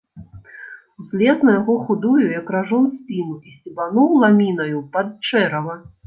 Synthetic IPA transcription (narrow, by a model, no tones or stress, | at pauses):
wzʲlʲɛsnɐjaɣɔxud̪ujujɐkɾaʐɔnsʲpʲinuisʲt͡sʲibanɔwlˠamʲinɐjupɐt̪̚t͡ʂɛɾɐvɐ